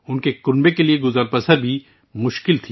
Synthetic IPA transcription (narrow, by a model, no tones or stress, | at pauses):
ʊnkekʊnbekelieɡʊzaːɾpɐsəɾbʱi | mʊʃkɪlt̪ʰiː